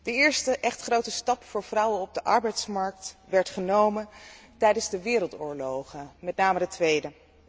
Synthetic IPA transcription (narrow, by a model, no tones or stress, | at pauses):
d̥əɪːɹstəʔɛχtχrowtəstɑpfʊːɹv̥rʌwənɔb̚dəʔɑɹbɛjtsmɑɹk̚tʋɛɹtχənowməntɛjdənzdəʋɪːɾəlˠtʊːɹlowχəmɛtnaːmədətʋejdə